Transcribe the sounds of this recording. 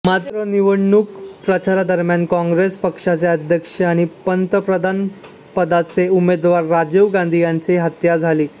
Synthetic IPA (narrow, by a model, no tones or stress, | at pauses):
mat̪ɾəniʋəɳɳukpɾət͡ɕaɾad̪əɾmjankɔ̃ŋɡɾespəkʂat͡seəd̪ʱjəkʂəaɽ̃ipənt̪əpɾəd̪ʱan | pəd̪at͡seumed̪ʋaɾːad͡ʑeʋɡãnd̪ʱijant͡seɦət̪jad͡zʱaliː